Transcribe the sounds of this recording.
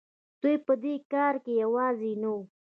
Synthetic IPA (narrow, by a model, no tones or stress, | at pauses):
d̪̥ujpəd̪ekɑɾkejawɑzina